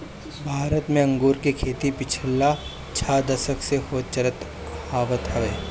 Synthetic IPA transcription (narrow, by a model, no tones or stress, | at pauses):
bʱaːɾət̪mẽɐ̃ŋɡuːɾkekʰeːt̪ipɪt͡ʃʰəlːa | t͡ʃʰaːd̪ɐsəkʰsexoːt͡ʃəɾət̪ | haːʋət̪ɦɐʋeː